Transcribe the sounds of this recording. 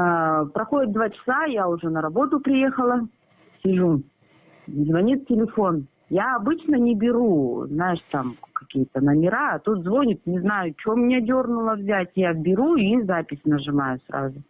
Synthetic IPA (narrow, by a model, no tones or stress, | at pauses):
pɾɐxo̞dʲɪt̪̚d̪vat͡ɕɪ̥sajaʊʐɛnəɾɐbo̞t̪ʊpɾʲɪje̞xəlˠə | sʲɪʐu | zvɐnʲit̪tʲɪlʲɪfo̞n | jaɐbɨt͡ɕnənʲɪbʲɪɾuznajɪʂt̪amkɐkʲijət̪ənəmʲɪɾaːt̪ut̪zvo̞nʲɪt̪nʲɪznajʊt͡ɕomːnʲedʲo̞rnʊlˠəvzʲatʲjabʲɪɾuizapʲɪsʲnəʐɨmajʊsɾa̰zʊ